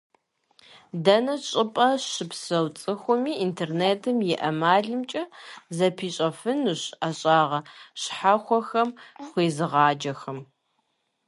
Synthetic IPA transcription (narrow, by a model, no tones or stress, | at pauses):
dɐnɐt͡ʃʼɪpʼɐɕɨpsɐwt͡sʼɨxʷʊmiːintʰeːrneːtʰɨmjɛʔɐmaːɮɨmt͡ʃʼɐzɐpʰiːɕʼɐfɨnɨɕaɕʼaːʁɐɕħaxʷɔxɐmχʷiːzɨʁɑːd͡ʒɐxɐm